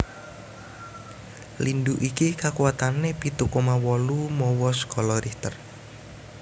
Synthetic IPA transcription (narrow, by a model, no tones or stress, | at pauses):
linɖuʔikikakuat̪anepit̪ukɔmawɔlumɔwɔskʰɔlɔɾiht̪ər